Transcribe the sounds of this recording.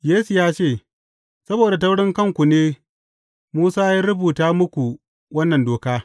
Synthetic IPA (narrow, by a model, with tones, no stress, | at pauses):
jeː˦su˨jaː˦t͡ʃeː˦˨ | sɐ˦boː˨da˨tɐ˦wɽɪ˦ŋkɐ˦ŋkʷu˨neː˦ | muː˦saː˦ja˦ɾʊ˦buː˨taː˦mʊ˦kʷu˨ | wɐ˦nːɐ˨ndoː˨kaː˦